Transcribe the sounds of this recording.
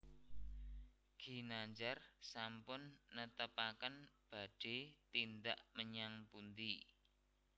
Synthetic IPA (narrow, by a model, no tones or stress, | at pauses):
ɡ̥i̤naɲd͡ʒarsampʊnːət̪əpakənb̥a̤ɖ̥e̤t̪ind̪aʔməɲaŋpund̪i